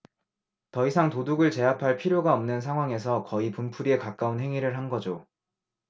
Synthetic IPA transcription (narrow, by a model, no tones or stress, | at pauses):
tʌisʰaŋtoduɡɯɭt͡ɕe̞ɦapʰaɭpʰiɾjoɡaʌmnɯnsʰaŋɦwaŋe̞s̬ʰʌkʌipumpʰuɾie̞kak͈aunɦe̞ŋiɾɯɭɦanɡʌd͡ʑo